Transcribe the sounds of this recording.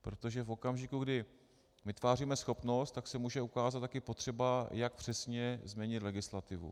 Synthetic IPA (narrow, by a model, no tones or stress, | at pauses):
pɾo̞t̪o̞ʒɛfo̞kamʒɪkuɡdɪ | mɪt̪vaːriːmɛsxo̞pno̞st̪ːaksɛmuːʒɛukaːzat̪t̪ːakɪpo̞t̪r̝̥ɛbajak̚pr̥ɛsɲɛzmɲɛɲɪt̪lɛɡɪslat̪ɪvṵ